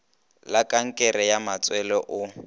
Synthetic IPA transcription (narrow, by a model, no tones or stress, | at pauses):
lakʼaŋ̩kʼɛɾɛjamat͡sʼwɛlɔʔʊ